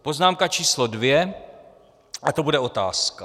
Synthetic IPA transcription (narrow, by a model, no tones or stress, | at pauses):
po̞znaːmkat͡ʃiːslodvjɛ | ʔat̪o̞budɛo̞t̪a̰ːska